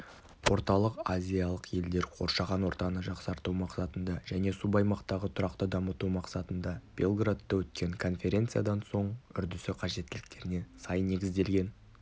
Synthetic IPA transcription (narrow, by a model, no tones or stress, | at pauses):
wʔo̞ɾt̪ɑlˠəqazʲijɑlˠəqje̞ld̪e̞ɾqʰo̞ɾʃɑʁɑnwo̞ɾt̪ɑnəʒɑqsɑɾt̪umɑqsɑt̪ənd̪ɑʒæne̞subɑjmɑqt̪ɑʁət̪ʰʊɾɑqt̪əd̪ɑmət̪umɑqsɑt̪ənd̪ɑb̥e̞lˠɡrad̪ːɑwɵt̪̚kʲe̞ŋkʰo̞nfʲe̞ɾʲe̞nt̪sɨjad̪ɑnso̞ɴʏɾd̪ɪsɪqʰɑʒe̞t̪ːɪlɪk̚t̪e̞ɾɪne̞sɑjne̞ɡʲɪzd̪e̞lɡʲe̞n